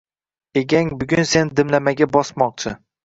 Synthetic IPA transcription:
e̞ɡʲaŋbʊɡʲʊnse̞nɪd̪ɪmlamaɡʲabɒsmɒq̚t͡ʃʰɪ

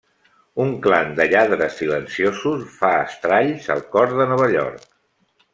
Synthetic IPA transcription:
uŋkland̪əʎaðɾəsːilənsiozusfaəst̪ɾaʎzə̰lˠkɔɾðənɔβ̞əʎɔ̰ɾk

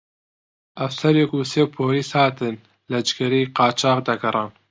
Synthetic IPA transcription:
ʔɛwsɛɾjɛkuseːpʰoːɾiːshɑːt̪ɨn | lɛd͡ʒkɛɾijqɑːt͡ʃʰɑːqd̪ɐɡɐɾˤɑːn

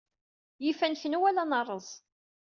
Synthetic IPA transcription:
jifænçənuwælanɑrˤːəzˤ

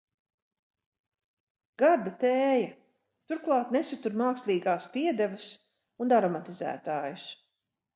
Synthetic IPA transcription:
ɡ̥aɾd̪at̪ɛːja | t̪uɾklˠɑːt̪nesat̪uɾmaːkslʲˠiːɡaːspiɛd̪ɛvɐs | und̪aɾɔmat̪izæ̰ːt̪aːjus

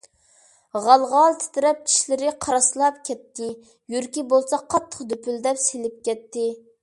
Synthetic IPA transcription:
ʁɑlˠʁɑlˠt̪ʰɪ̥t̪ɪɾɛp̚kʲʰi̥ʃlɪɾɪqʰɑɾɑslˠɑpkʲʰɛt̪ːɪ | jyɾkʲibolˠsɑqʰːɑt̪ʰːə̥qd̪øpʰyld̪ɛpselɪp̚kʲɛt̪ʰːɪ

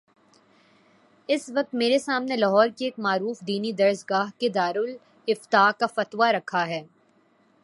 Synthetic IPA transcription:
ɪsʋɐk̚t̪meːɾesaːmnelɐɦɔːɾkieːkmaːɾuːfd̪iːnid̪ɐɾsɡaːɦked̪aːɾʊl | ɪft̪aːkafɐt̪ʋaɾɐkʰaɦɛː

